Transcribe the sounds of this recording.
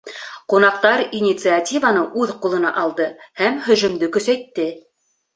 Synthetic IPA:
qunɑq̚t̪ɑɾinʲit̪sɨatʲivanɤʉðqulˠɤ̆nɑ̰ʔɑlˠd̪ɤhæmhɵ̆ʒɵ̆md̪ɘkɵ̆sæjt̪ːɘ

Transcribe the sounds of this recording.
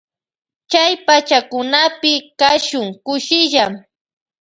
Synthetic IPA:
t͡ʃajpat͡ʃakʊnapɪkaʃʊŋkʊʃɪʎam

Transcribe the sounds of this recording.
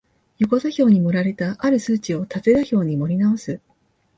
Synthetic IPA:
jo̞ko̞zaçʲo̞ːɲ̟imo̞ɾaɾe̞t̪aʔaɾɯ̟sɨːt͡ɕio̞t̪at̪e̞d̪açʲo̞ːɲ̟imo̞ɾʲinaosɨ

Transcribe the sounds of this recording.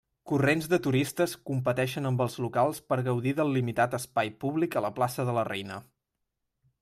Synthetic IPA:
kurenzðət̪uɾist̪əskumpət̪ɛʃənəmbəlˠzlukalˠspəɾɣəwðiðəlˠːimit̪at̪əspajpuβlikələplasəðələrɛjnə

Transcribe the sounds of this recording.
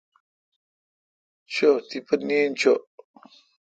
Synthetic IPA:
t͡ʃot̪ipənint͡ʃoʔ

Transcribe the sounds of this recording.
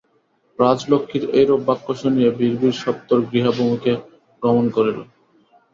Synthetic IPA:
pɾad͡ʑlokʰːiɾejɾobːakːoʃonijebiɾbiɾʃɔp̚t̪oɾɡɾiɦabomuke | pɾomonkoɾelo

